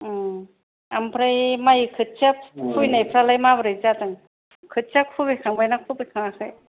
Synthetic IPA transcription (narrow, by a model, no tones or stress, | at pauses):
ampʰɾajmajkʰɯt̚t͡ʃʰap̚kʰujnajpʰɾalajmabɾɯjzatɯŋ | kʰɯt̚t͡ʃʰakʰubikʰaŋbajnakʰubijkʰaŋakʰɯj